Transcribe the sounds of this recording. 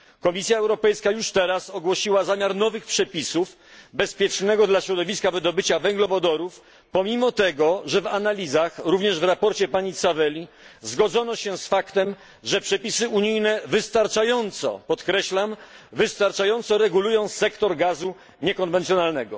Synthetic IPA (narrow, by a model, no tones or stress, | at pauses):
kɔmʲisʲjaɛwɾɔpɛjskajuʂt̪ɛɾasɔɡwɔɕiwazamʲjaɾnɔvɘxpʂɛpʲisuf | bɛspʲjɛt͡ʂnɛɡɔd̪laɕɾɔd̪ɔvʲiskavɘd̪ɔbɘt͡ɕavɛŋɡlɔvɔd̪ɔɾuf | pɔmʲimɔt̪ɛɡɔʐɛvanalʲizaxɾuvɲɛʐvɾapɔɾt͡ɕɛpaɲit̪savɛlʲi | zɡɔd̪zɔnɔɕɛsfakt̪ɛm | ʐɛpʂɛpʲisɘuɲijnɛvɘst̪aɾt͡ʂajɔnt̪sɔ̰pɔt̪kɾɛɕlamvɘst̪aɾt͡ʂajɔnt̪sɔɾɛɡulujɔ̃w̃sɛkt̪ɔɾɡazu | ɲɛkɔnvɛnt̪ʲjɔnalnɛɡɔ